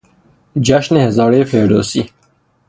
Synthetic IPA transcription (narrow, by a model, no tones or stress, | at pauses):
d͡ʒæʃnehezɑːɾeːfeːɾɖo̰ːsiː